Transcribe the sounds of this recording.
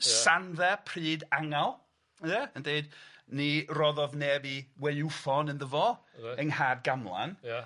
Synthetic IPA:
sanðɛpʰriːdaŋalˠ | ðɛəndeɨdnirɔðɔvneːbiwɛjufɔnənðəvɔəŋhaːd̚ɡamlˠa̰n

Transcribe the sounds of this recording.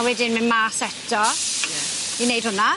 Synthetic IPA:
wɛdɪnmɪnmaːsɛtʰɔ | inejd̥hʊna

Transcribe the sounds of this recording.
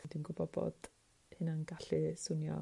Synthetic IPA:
d̥winɡʊbɔbɔ̰d̥ | hɨnanɡaɬisʊnjɔ̰

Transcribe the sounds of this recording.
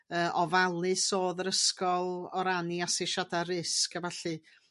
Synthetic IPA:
əːʔɔvalˠɨsoːðəɾəskɔlˠɔɾaniasɪʃadaɾɪskavaɬɨ

